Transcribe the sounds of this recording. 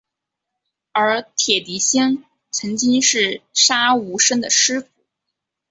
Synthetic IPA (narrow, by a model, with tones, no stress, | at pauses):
ə˞˧˥t̪ʰjɛ˨˩t̪i˧˥ɕi˥ŋ | t͡sʰɤ˧˥ŋt͡ɕi˥ŋʂɻ̩˥˩ʂa˥u˧˥ʂə˥ŋd̪ə˨ʂɻ̩˥fu˨˩˦